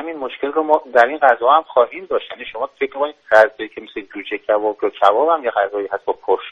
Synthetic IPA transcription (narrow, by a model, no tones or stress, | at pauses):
hæminmoʃke̞lromɒːd̪æɾinɢæzɒːhæmxɒːɦiːmd̪ɒːʃt̪jæniʃomɒːfekʰɾmikʰoniːd̪æzd͡ʒɒiːkʲʰemesled͡ʒuːd͡ʒecʰævɒːbjɒkʰævɒːbhæmjeɡæzɒːiːhæst̪bɒpʰoɾʃ